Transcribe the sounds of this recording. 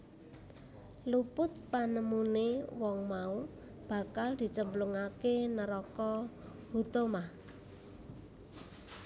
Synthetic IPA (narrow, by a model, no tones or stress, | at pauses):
lupʊt̪̚panəmunewɔŋmau | b̥a̤kald̪̥i̤t͡ʃəmbluŋakenəɾɔkɔ | hut̪omah